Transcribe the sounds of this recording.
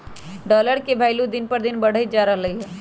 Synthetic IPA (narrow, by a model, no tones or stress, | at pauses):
ɖɔːləɾkebʱaːɪlũd̪ɪnpəɾd̪ɪnbəɽ̤əjd͡ʒaɾəɦləɦiɦɛ